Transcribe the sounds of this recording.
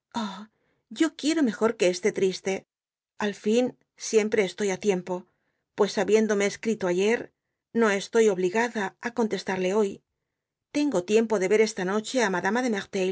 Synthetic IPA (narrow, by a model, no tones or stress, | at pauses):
o | ɟ͡ʝo̞kje̞ɾo̞me̞xo̞ɾke̞ːst̪e̞t̪ɾist̪e̞ | alfin | sje̞mpɾe̞ːst̪o̞jat̪je̞mpo̞ | pwe̞saβje̞nd̪o̞me̞ːskɾit̪o̞aʝe̞ɾ | no̞e̞st̪o̞jo̞βliɣaðaako̞nt̪e̞st̪aɾle̞o̞j | t̪e̞ŋɡo̞t̪je̞mpo̞ðe̞βe̞ɾe̞st̪ano̞t͡ʃe̞amaðamaðe̞meʁt̪e